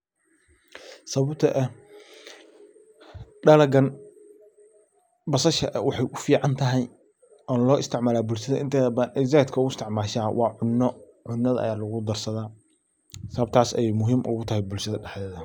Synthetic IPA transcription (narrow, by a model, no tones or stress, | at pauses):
sɐβɐbt̪ʰɐʔɛ | ɖɐlɐɡɐn | bɐsɐʃɐ̰ʔwɑħɑjʊfiːʕɑnt̪ʰɐɦɛj | ɔːnlɔːʔɪst̪ʰɪʕmaːlaːbʊlʃɐðɐ̰ʔɪnt̪ʰɛːðɐbaːnɛzɛːt̪kʰɐʊʊɪst̪ʰɪʕmaːʃaːwʔɑːʕʊnːɔ | ʕʊnːɐðɐʔɐ̰jaːlɐɣʊd̪ɐrsɐðaː | sɐβɐb̚t̪ʰaːsɛjjmʊɦiːmʔʊ̰ɣʊt̪ʰɐɦɛjbʊlʃɐðɐɖɛħɛːðɐ